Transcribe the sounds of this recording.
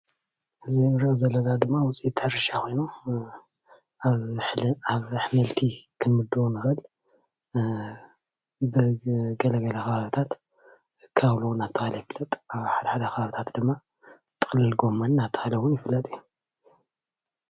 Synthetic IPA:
ʔɨzinɨɾɨʔozɐlːɐlad̪ɨmːawʊt͡sʼiit̪ʰːaɾɐʃakʰo̞jnu | aβħmɐlt̪ʰikʰɨnmɨd̪ɨonɨxɨl | bɨɡɐlɐɡɐlɐxɐβaβit̪ʰat̪ | kʰaβlunat̪ʰːɨxalɐjɪfɨlːɐt̪ʼaβħad̪ɐħad̪ɐxʰɐβaβit̪ʰat̪d̪ɨmːa | t̪ʼɨ̥xʼlɨlɡo̞mːɐnnat̪ʰːɨ̥xalɐwʊnjɪfɨlːɐt̪ʼɨjːu

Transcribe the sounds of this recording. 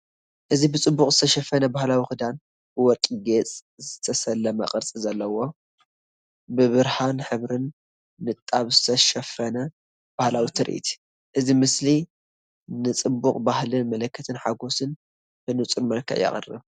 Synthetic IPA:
ʔɨzibɨt͡sʼɨbːukʼzɨt̪ʰɐʃɐfːɐnɐbahlawixɨd̪an | b̥ɨwɔt̪ʼiɡet͡sʼ | zɨt̪ʰɐsɐlːɐmɐ̰qʼɨɾt͡sʼizɐlːɐwo̞ | bɨβɨɾhanħɨβɾɨnː | ɨt̪ʼːaβzɨt̪ʰɐʃɐfɐnɐ | b̥ahlawit̪ʰɨɾʔḭt̪ʰi̥ | ʔɨzimɨsli | nɨt͡sʼɨbːuχʼbahlɨnmɐlɐkːɐt̪ʰɨnħaɡo̞sɨn | bɨnɨt͡sʼuɾmɐlkʰɐ̰ʔjɐ̰χʼɨ̰rːɨ̰β

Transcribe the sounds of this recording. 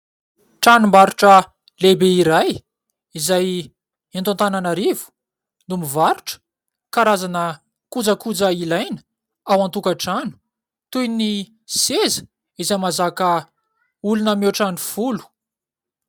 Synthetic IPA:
ʈ͡ʂanumbaɾuʈ͡ʂə | lebeiɾaj | izaj | ent̪ant̪ananaɾivu̥ | numivaɾuʈ͡ʂə̥ | kaɾazanə | kud͡zəkud͡zəilajnə̥ | awant̪ukaʈ͡ʂanu̥ | t̪ujni | sezə̥ | izajmazakə | ulunəmeʈ͡ʂanifulu̥

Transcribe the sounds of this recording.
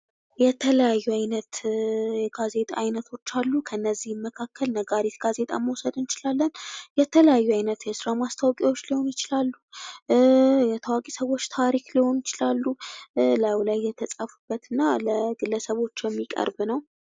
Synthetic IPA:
jɛt̪ʰələjajːuajnət̪jɛɡazet̪ʼaːjnət̪ʰo̞t͡ʃːalːukʰəɨnːəzːihmːəkʰakʰːəlnəɡaɾit̪ɡ̥aze̞t̪ʼa̰məwsəd̪ɨnt͡ʃɪlalːənjɛt̪ʰələjajːuajnət̪jɛsɨɾamast̪ʰawkʼiwo̞t͡ʃːliho̞njɪt͡ʃɪlalːu | jɛt̪ʰəwakʼisəβo̞t͡ʃːt̪ʰaɾikliho̞njɪt͡ʃɪlalːulawlajːɛt̪ʰəsʼafubːət̪ɨnːaləɡɨlːəsəβo̞t͡ʃːjɛmːikʼə̰ɾbnəw

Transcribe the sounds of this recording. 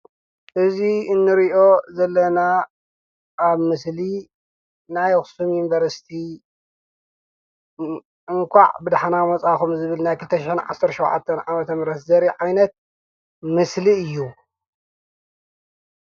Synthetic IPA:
ʔɨziɨnːɨɾiʔo̞zɐlːɐna | ʔːβmɨsli | najxsumjunivɐɾsi̥t̪ʰi | ʔɨŋkʰʷa̰ʕbɨd̪aħanamɐt͡sʼaxumzɨβɨlnajkʰɨlt̪ʰɐʃɪħinʕa̰sɐɾtʃowʕa̰t̪ʰːɐnʕamɐt̪ʰɐmɾɐt̪zɐɾiʕajnɐt̪̚ | mɨsliɨjːu

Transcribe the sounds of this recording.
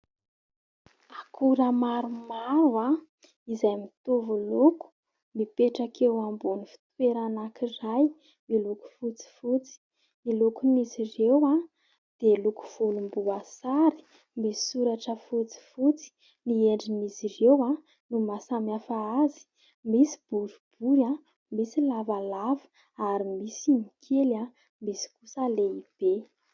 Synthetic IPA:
akʰuɾəmaɾumaɾua | izajmit̪uvuluku̥ | mipeʈ͡ʂakʰewambunifi̥t̪weɾanakiraj | miluku̥fut͡si̥fut͡si̥ | milukunizirewa | d̪̥eluku̥v̥ulumbuasaɾi̥ | misi̥suɾaʈ͡ʂəfut͡si̥fut͡si̥ | nieɳɖ͡ʐinizirewa | numasamafaazi̥ | misi̥b̥uɾub̥uɾa | misilavalavḁ | aɾimisimikʰela | misi̥kusəleib̥e

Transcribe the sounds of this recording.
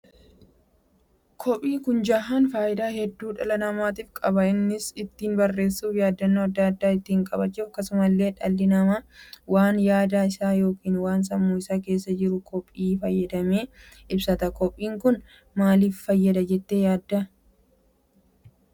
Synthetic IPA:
kʰɔpʼːiːkʊnd͡ʒaɦanfaːjɪd̪aːhɛd̪ːuːᶑɐlɐnɐmaːt̪iːfkʼɐbɐɪnːɪsɪt̪ːiːnbɐrːe̞ːsːuːfjaːd̪ːɐnːoːɐd̪ːaːɐd̪ːaːɪt̪ːiːɪŋkʼɐbɐt͡ʃːʊfɐkːɐsʊmɐlːe̞ːᶑɐlːɪnɐmaːwaːnjaːd̪aːɪsaːjo̞ːkiːnwaːns̬ɐmːuːɪsaːke̞ːsːɐd͡ʒɪɾʊkʰɔpʼːiːfɐjːɐd̪ɐmeː | ʔɪbsɐt̪ɐkɔpʼːiːŋkʊn | maːliːfːɐjːɐd̪ɐd͡ʒɛt̪ːejaːd̪ːɐ

